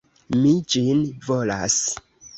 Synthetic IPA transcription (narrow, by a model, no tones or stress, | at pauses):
mid͡ʒinvola̰s